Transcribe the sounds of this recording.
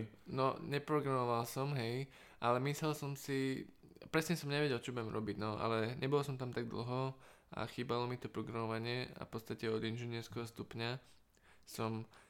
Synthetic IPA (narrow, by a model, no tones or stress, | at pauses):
nɔɲɛpɾɔɡɾamɔʋalsɔmɦɛj | ʔalɛmislɛlsɔmsi | pɾɛsɲɛsɔmɲɛʋɛɟɛlt͡ʃɔbɛmɾɔbiɟnɔʔa̰lɛɲʔɛbɔlsɔmt̪amt̪aɡ̚d̪l̩ˠɦɔ | ʔa̰xiːbalɔmit̪ɔpɾɔɡɾamɔʋaɲɪɛa̰fpɔt̪st̪acɛɔd̪inʒinɪɛɾskɛɦɔst̪upɲa | sɔm